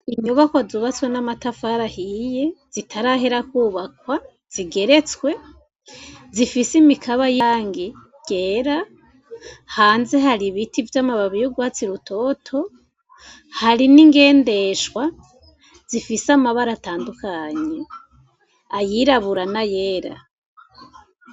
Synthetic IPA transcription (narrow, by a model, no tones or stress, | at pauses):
iɲuβakwazuβat͡swenamatafaːɾahijez̥itʰaɾaɦe̞ɾakuːβakwa | z̥iɡe̞ɾe̞t͡swe̞ | zifisimikʰaβajaːŋɡi | ɟ̥eːɾa | haːnze̞ɦaɾiβitʰivjamaβaβijoɡwat͡siɾutʰo̞ːtʰo̞ | haɾiniŋɡe̞ːnde̞ʃwa | z̥ifisamaβaɾataːndukʰaɲe̞ | ajiɾaβuɾanaje̞ːɾa̰